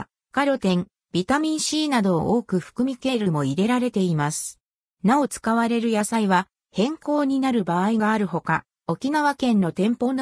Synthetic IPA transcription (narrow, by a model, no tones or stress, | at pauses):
kaɾʲo̞t̪ẽ̞ŋ | b̥ʲit̪amʲĩɰ̃ɕiːnad̪o̞̰ʔoːkɯ̟ɸɯ̟̥kɯ̟mʲike̞ɾɯ̟mo̞iɾe̞ɾaɾe̞t̪e̞imasɨ̥ | nao̞t͡sɨ̥kaβaɾe̞ɾɯ̟jasaiβa | hẽ̞ŋko̞ːɲ̟inaɾɯ̟baːiɡaːɾɯ̟ɦo̞ka | o̞kʲinaβakẽ̞nːo̞t̪ẽ̞mpo̞ːno